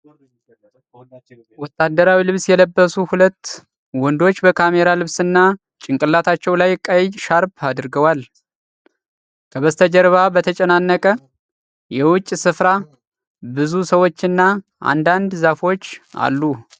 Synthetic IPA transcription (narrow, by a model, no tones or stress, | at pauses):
wɔt̪ʰʼːad̪əɾawilɨβsjɛləbːəsuhulət̪ː | wɔnd̪o̞t͡ʃːbəkʰame̞ɾalɨβsɨnːa | t͡ʃʼɪŋkʼɨlːat̪ʰat͡ʃːɛwlajkʼajʃaɾbad̪ɾɡəwal | kʰəβəst̪ʰəd͡ʒəɾβabət̪ʰət͡ʃʼɛnanːəkʼə | jɛwʊt͡ʃʼːsɨfɾa | bɨzusəwo̞t͡ʃːɨnːa | ʔa̰nd̪and̪zafo̞t͡ʃːa̰lːu